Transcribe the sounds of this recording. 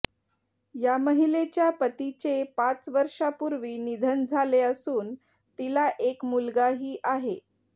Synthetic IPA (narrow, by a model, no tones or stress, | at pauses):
jaməɦilet͡ɕjapət̪it͡sepat͡sʋəɾʂapuɾʋiːnid̪ʱənd͡zʱaleəsuːn | t̪ilaʔekmulɡaɦiːʔaɦe